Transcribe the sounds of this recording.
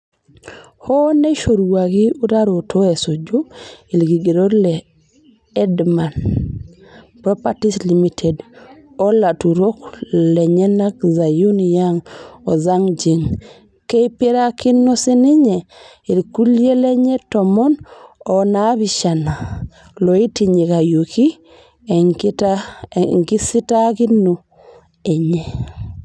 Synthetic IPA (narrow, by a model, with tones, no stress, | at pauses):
hɔ˦ne˦ʃo˨ɾuwa˨ɣi˦u˦ɾa˦ɾo˨tʰo˦e˨so˨d͡ʒo˦i˨lɡi˨ɡe˨ɾo˦ɾlɛ | ɛ˦dma˨n | pɾɔ˦pati˦sli˨mitʰɛ˨d | o˦la˨tu˨ɾo˦klɛ˨ɲɛ˦na˦kza˨ju˦njaŋɔ˨za˦ŋd͡ʒe˨ŋ | ke˦i˦pe˦ɾa˦ki˦nːo˦sɪ˦nɪ˦ɲɛ˨ | i˨ɾku˦lje˦le˦ɲe˦tɔ˨mɔ˦nɔ˨na˨˦bi˨ʃa˨na˨ | lo˨i˦ti˨ɲe˨ka˨jo˨ki˦ | t | ŋɡi˦si˦ta˦ki˦no˨ | e˨ɲe˦˨